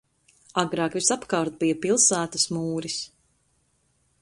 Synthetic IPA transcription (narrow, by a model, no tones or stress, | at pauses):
aɡɾɑːkvisapkawɾt̪̚bijɐpilˠsæːt̪ɐsmuːɾis